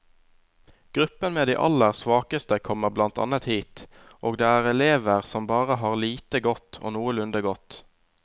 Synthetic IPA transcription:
ɡ̥ʁʉpənmeːd̪iːʔɑ̰ləʁsʋɑːkəst̪əkʰɔməʁblɑnt̪ʰɑ̰nət̪hiːt̪ | ʔoːɡd̪eːæːʁɛleːʋəʁsɔmbɑːʁəɦɑːʁliːt̪əɡɔt̪ʰo̰ːnuːəlʉnd̪əɡɔt̪

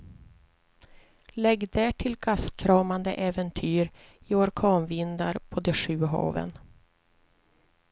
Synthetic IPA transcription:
lɛɡd̪æːʈʰɪlɡaskʰɾɑːmand̪əʔɛːvɛnt̪ʰyːɾ | ɪɔɾkʰɑːnvɪnd̪aɾpʰɔd̪ɛʂʉ̟ːɦɑ̰ːvə̰n

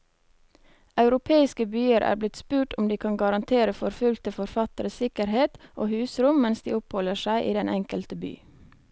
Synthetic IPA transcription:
ʔɑʉɾʊpʰeːɪskəbyːəɾʔæ̰ːɾblɪt̪spʉːʈʊmd̪iːkʰɑnɡɑɾɑnt̪ʰeːɾəfɔɾfʉlt̪əfɔɾfɑt̪əɾəsɪkəɾheːt̪ʔoːhʉːsɾʊmmɛnsd̪ḭːʊphɔləʃæɪʔiːd̪ɛnʔɛŋkəlt̪əby̰ː

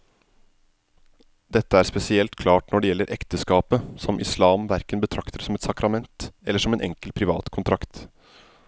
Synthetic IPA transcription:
d̪ɛt̪ːəæːɾspɛsɪɛlt̪kʰlɑːʈnɔɖɛjɛlːəɾʔɛkt̪əskɑːpəsɔmʔɪ̰slɑːmʋæɾkənbət̪ʰɾɑkt̪əɾsɔmɛt̪sɑkɾɑmɛnt̪ɛlːəʂɔmeːnʔɛ̰ŋkəlpʰɾɪʋɑ̰ːt̪kʰʊnt̪ʰɾɑkt̪

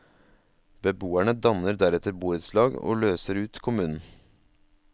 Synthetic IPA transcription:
b̥əbuːæɳəd̪ɑnəɾd̪æɾɛt̪əɾbuːʉːt̪slɑːɡo̰ːløːsəɾʉːt̪kʰʊmʉːnn̩

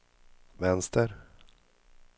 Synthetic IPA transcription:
vɛnst̪əɾ

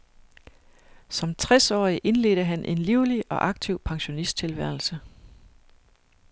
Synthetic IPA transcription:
sɒ̽mt͡sʰʁɛsɒ̰ːiʔe̝nle̝̰ːɾ̥əɦænʔe̝nliʊliɒ̽ʔɑ̈ɡ̥̚t͡sʰiʊ̰pʰɑ̈ŋɕo̝nisd̥̚t͡sʰe̝lʋæɐ̰l̩sə

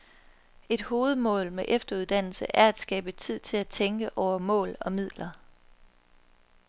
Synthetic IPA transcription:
e̝d̥ho̝ːð̞̩ˠmɔ̰̽ːlmeʔefd̥ɐuð̞̩ˠd̥æn̰l̩səʔæɐæd̥sɡ̥ɛːb̥ət͡sʰið̞̰ˠt͡sʰe̝læt͡sʰeŋɡ̥əʔɒʊ̰ɐmɔ̰̽ːlɒ̽mið̞̰ˠlɐ

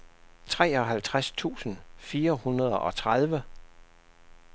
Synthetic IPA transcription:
t͡sʰʁɛ̰ːɒ̽ɦælt͡sʰʁast͡sʰṵːsn̩fiːɐhunɐð̞ˠɒ̽t͡sʰʁað̞ˠʋə

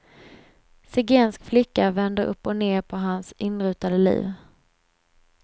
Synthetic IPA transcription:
sɪɡeːnskflɪkːavɛnd̪əɾʔɵ̰pːɔneːɾpʰɔɦansʔɪnɾʉ̟ːt̪ad̪əlḭːv

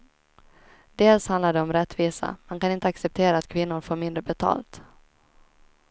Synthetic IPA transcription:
d̪̥eːlshand̪laɖɛɔmɾɛt̪ːviːsa̰mankanɪnt̪əaksɛp̚t̪ʰeːɾaːt̪kʰvɪnːʊɾfoːɾmɪnd̪ɾəbɛt̪ʰɑ̰ːlt̪

